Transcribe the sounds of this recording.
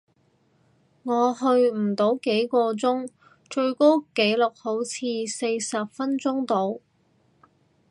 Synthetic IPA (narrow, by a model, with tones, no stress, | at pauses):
ŋɔː˨˧hɵ˧ɥm̩˨˩t̪o˨˥wke˨˥jkɔː˧t͡sʊ˥ŋ | t͡ʃɵ˧ɥko˥wke˨˥jlʊ˨k̚ho˨˥wt͡sʰiː˧se˧jsɐ˨p̚fɐ˥nt͡sʊ˥ŋt̪o˨˧w